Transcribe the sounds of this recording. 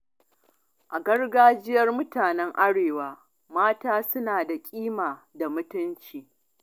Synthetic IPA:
ʔa˨ɡɐ˦rɡaː˦d͡ʒɪ˦jɐ˦rmʊ˦taː˨nɛ˦ŋʔa˦ɽeː˨waː˦ | maː˦taː˦sʊ˦naː˨da˨kʲʼiː˦maː˨da˨mʊ˦tʊ˦nt͡ʃiː˨

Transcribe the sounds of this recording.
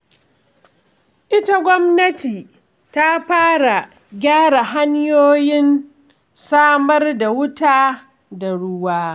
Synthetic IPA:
ʔɪ˦ta˦ɡʷɔ˦mnɐ˦tiː˨ | ta˦ɸaː˦ɽa˨ | ɡʲaː˦ɽa˨ɦa˦ɲjoː˦jɪ˦n | saː˦mɐ˦rda˨wʊ˦taː˦ | da˨ɽʊ˦waː˦

